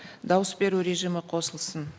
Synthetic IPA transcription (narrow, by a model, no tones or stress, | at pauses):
d̪ɑwəsbe̞ɾuɾe̞ʒijmɪqʰo̞səlˠsən